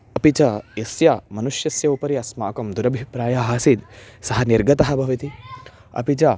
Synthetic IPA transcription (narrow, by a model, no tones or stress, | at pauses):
ɐpit͡ʃɐjɐsjɐmɐnuʂjɐsjɐupɐɾiɐsmaːkɐmd̪uɾɐbʱipɾaːjaɦasid̪sɐɦɐniɾɡɐt̪ɐɦɐ̆bʱɐʋɐt̪i | ɐ̰pit͡ʃɐ